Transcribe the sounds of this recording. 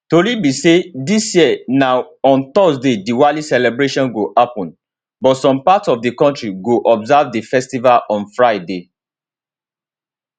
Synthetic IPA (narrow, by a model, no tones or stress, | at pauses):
tolibisedisjiɛnaʊ | ɔ̃nt̪ɔsdediwalisɛlɛbɹeʃɔ̃nɡoʔapɔ̃n | bɔtsɔ̃mpatsɔfdikɔ̃ntɹiɡoʔɔbzavdifɛstivalɔ̃nfɹaɪde